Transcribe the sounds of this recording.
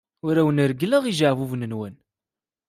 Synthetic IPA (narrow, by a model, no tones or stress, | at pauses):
ʊɾæwənəɾɡlæʁiʒaʕvuvnənwæn